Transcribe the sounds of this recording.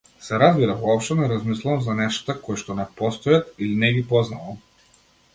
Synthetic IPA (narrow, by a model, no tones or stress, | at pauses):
sɛɾazbiɾavɔɔpʃt̪ɔnɛɾazmislˠuvamzanɛʃt̪akɔjʃt̪ɔnɛpɔst̪ɔjat̪ilinɛɡipɔznavam